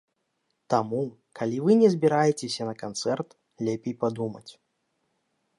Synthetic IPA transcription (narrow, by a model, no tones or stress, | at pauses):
t̪amu | kalʲivɨnʲɛzʲbʲiɾajɛt͡sʲesʲɐnɐkant̪sɛrt̪ | lʲɛpʲejpad̪umɐ̰t͡sʲ